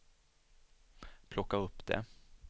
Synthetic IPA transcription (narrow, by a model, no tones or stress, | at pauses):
pʰlɔkːaɾɵpːd̪ɛ̰